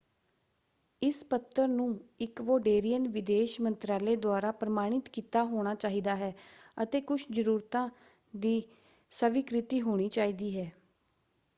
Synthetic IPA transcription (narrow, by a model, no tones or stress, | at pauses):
ɪspət̪ːəɾnũːɪkʋoːɖeːɾijənʋɪd̪eːʃmənt̪ɾaːleːd̪oaːɾaːpɾəmaːɽ̃ɪt̪kiːt̪aːɦoːɽ̃aːt͡ʃaːɦiːd̪aːɦɛːət̪eːkʊt͡ʃʰd͡ʒəɾuːɾt̪ãː | d̪iː | səʋɪkɾɪt̪iːɦoːɽ̃iːt͡ʃaːiːd̪iːɦɛː